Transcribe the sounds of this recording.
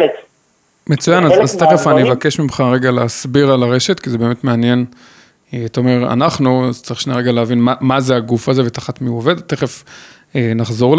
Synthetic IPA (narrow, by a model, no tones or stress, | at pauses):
met͡sujanazazt̪eχefanievake̞ʃmimχaʁe̞ɡaleasbiʁalaʁe̞ʃe̞tkizebeːme̞tmeanje̞n | eataome̞ʁa̰naχnuazt͡saʁiχʃneʁe̞ɡaleavinmamazeaɡufazevet̪aχat̪miuove̞d̪at̪eχe̞f | enaχzo̞ʁl